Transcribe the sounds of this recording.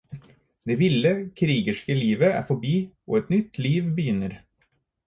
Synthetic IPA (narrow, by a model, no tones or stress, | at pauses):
d̪eːʋɪlːəkʰɾiːɡəʂkəliːʋəæ̰ɾfɔbiːʔo̰ːɛt̪nʏt̪ʰːliːʋbəjʏnːəɾ